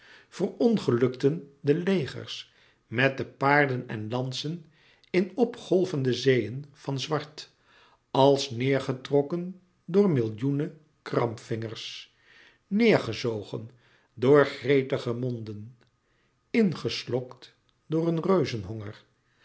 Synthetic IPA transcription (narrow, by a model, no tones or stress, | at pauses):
v̥ərɔnχəlɵktəndəlejχə̰ɹs | mɛt̚dəpaːɹdənɛ̰nlɑnsən | ɪnɔpχɔlˠvəndəzejənv̥ɑnzʋɑɹt | ɑlˠsnɪːɹχətrɔkən | dʊːɹmɪlˠjunə | krɑ̰mpfɪŋəɹs | nɪːɹχəzowχə̰n | dʊːɹχrejtəχəmɔndən | ɪnχəslɔkt | dʊːɹənrøɥzənɦɔŋəɹ